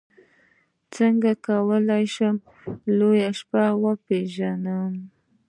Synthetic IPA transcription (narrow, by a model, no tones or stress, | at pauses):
t͡səŋɡakawəlajʃəm | lojaʃpawəpeʒanəm